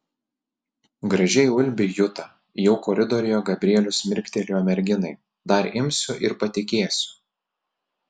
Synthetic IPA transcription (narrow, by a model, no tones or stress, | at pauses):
ɡɾɐʒʲɛɪʊlʲbʲɪjʊt̪ɐ | jɛʊkɔɾʲɪd̪ɔɾʲɪjoːɡɐbʲɾʲiɛlʲʊsmʲɪɾʲkʲt̪ʲɛlʲuːɐmʲɛɾʲɡʲɪnɐɪ | d̪ɐɾɪmʲsʲʊʔɪɾpɐt̪ʲɪkʲeːsʲʊ̥